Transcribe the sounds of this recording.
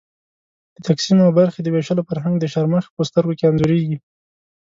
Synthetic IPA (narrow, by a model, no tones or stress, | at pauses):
d̪̥ət̪aksimawbaɾxed̪əbeʃalofaɾɦaŋɡd̪əʃaɾməxpəst̪əɾɡokeamzuɾeɡi